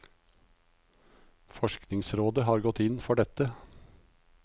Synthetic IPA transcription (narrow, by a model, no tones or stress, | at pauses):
fɔʃknɪŋsɾoːd̪əɦɑːɾɡɔt̪ɪnfɔɖɛt̪ə